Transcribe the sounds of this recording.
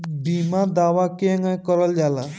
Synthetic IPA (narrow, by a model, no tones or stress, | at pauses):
biːmad̪aːʋakeŋãkɔɾəld͡ʒaːla